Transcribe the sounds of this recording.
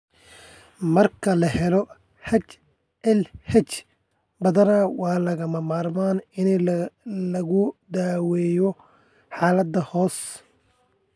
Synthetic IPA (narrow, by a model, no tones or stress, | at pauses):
mɐrkʰɐlɐɦɛlɔ | hɐt͡ʃ | ʔɛlhɐt͡ʃ | bɐðɐnɐwɑːlɐɣɐmɐmaːrmaːnɪn | lɐɣʊd̪aːwɛːjɔ | ħɑːlɐd̪ːɐhɔːs